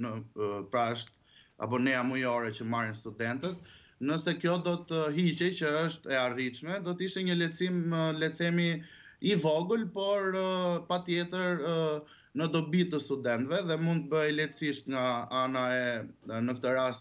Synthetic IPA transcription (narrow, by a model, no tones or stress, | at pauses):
nəpɾaəʃt̪ | a̰pɔnɛamujɔɾɛt͡ɕəmaɾinst̪ud̪ɛnt̪ət̪̚ | nəsɛkjɔd̪ɔt̪əɦit͡ɕɛjt͡ɕəəʃt̪ɛariʃmɛd̪ɔt̪əiʃt̪ɛɲəlɛt͡siməlɛt̪ɛmi | ivɔɡəlpɔɾpat̪jɛt̪əɾ | nəd̪ɔbit̪əst̪ud̪ɛnt̪vɛðɛmund̪t̪əbəjlɛt̪t͡siʃt̪ŋaanaɛnək̚t̪əɾast̪